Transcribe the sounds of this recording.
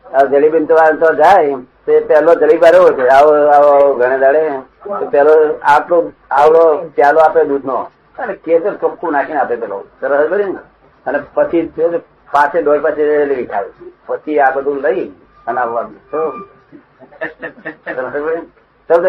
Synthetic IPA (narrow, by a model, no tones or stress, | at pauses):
əd͡ʒelibint̪oʋaɾnt̪oad͡ʒajt̪oepɛɦlod͡ʒəlibaɾoɦojt͡ʃʰeaaɡʱəɽ̃ed̪aɽe | t̪opɛloaplo | aʋlopjaloaped̪ud̪ʱno | əneket̪əɾt͡ʃokʰːunakʰinapepɛlo̰səɾəsəd͡ʒbəd̪in | ənepət͡ʃʰio | pat͡ʃʰedojpat͡ʃʰed͡ʒeeliʋikʰa̰ʋipət͡ʃʰiabəd̪uləi | ənaʋat̪o | səsəbəi | t̪ə